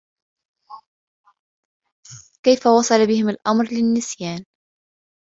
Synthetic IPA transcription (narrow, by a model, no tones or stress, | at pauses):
kajfawɑsˤɑlabɪhɪmalʔamɾlɪnːɪsjaːn